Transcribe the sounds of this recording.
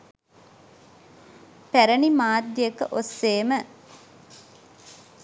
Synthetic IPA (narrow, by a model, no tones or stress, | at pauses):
pæɾənimaːd̪jjəkəʔosːeːmə